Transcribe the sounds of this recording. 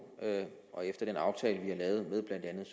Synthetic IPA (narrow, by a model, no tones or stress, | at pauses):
øʔɒ̽efd̥ɐd̥enɑ̈ʊt͡sʰɛ̰ːləʋihɑ̈lɛːʊð̞̩ˠmeð̞ˠb̥læn̰d̥ænð̩ˠs